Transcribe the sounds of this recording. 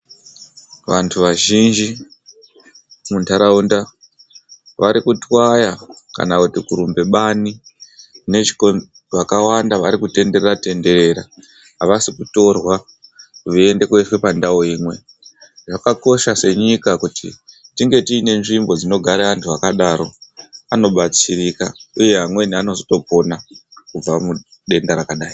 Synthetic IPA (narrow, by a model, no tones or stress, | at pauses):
ʋantʰuʋaʒind͡ʒi | muntʰaɾaunda | ʋaɾikutwajaka̰nakutikuɾumbe̞ɓani | ne̞t͡ʃi̥ko | ʋakawandaʋaɾikute̞nde̞rerate̞nde̞ɾe̞ɾa | ɦaʋasikuto̞rwa | kuʋiende̞keife̞pandaoiːmwe̞ | ʐakako̞ʃase̞ɲikakutḭtiŋɡe̞tiːne̞nʐimbo̞d͡zino̞ɡʱaɾeʋantʰuakaɗaɾo̞ano̞ɓat͡siɾikauje̞ɦamwe̞niano̞zoto̞po̞nakub͡vamu | ɗe̞ndaɾakaɗaːi